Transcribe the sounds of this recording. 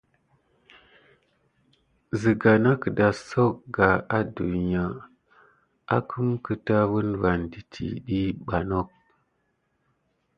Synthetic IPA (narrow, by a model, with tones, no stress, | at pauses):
zi˨ɡa˨na˦kə˨da˨so˦kɡa˨a˦du˨n˨ja˨ | a̰˦kʰu˦mkə˨ta˦wu˦nva˨ndi˨tʰḭ˨ɗi˦ɓa˨no˦k̚